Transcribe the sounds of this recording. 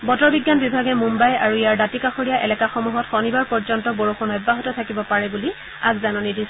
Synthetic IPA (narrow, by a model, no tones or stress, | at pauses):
bɔtɔɹbiɡːanbibʱaɡɛmumbaja̰ɹuijaɹdatikaxoɹijaʔɛlɛkaxɔmuɦɔtxɔnibaɹpɔɹzɔntɔboɹoxɔnɔjbːaɦɔtɔtʰakibɔpaɹɛbuli | aɡzanɔnidis